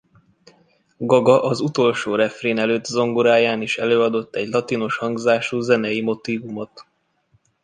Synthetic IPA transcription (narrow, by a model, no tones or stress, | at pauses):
ɡɒɡɒʔɒzut̪o̞lʃoːɾɛfreːnɛløːt̪ːzo̞ŋɡoɾaːjaːniʃɛløːɒd̪o̞t̪ːɛɟlɒt̪ino̞ʃhɒŋɡzaːʃuːzɛnɛjimo̞t̪iːvumo̞t̪